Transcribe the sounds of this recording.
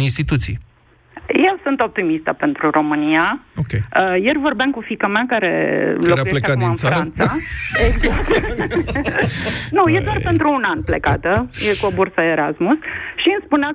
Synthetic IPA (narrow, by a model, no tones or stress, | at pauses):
inst̪it̪ut̪sij | jewsunt̪o̞p̚t̪imist̪əpe̞nt̪ɾuro̞mɨniaokʲejəjervo̞rbeamkufikəmeakaɾe̞̰lokujeleeamiɨnsɾant̪saeɡzast̪ | nujed̪oarpe̞nt̪ɾuːnanplekat̪əjekuobursəeɾasmusʃinspunea